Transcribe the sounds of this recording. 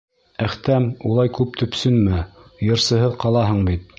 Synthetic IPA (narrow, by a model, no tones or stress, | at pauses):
æχt̪æmulˠɑjkʉp̚t̪ʰɵ̆psɵnmɘjɤ̆ɾsɤ̆ɦɤðqɑlˠɑɦɤɴbit̪̚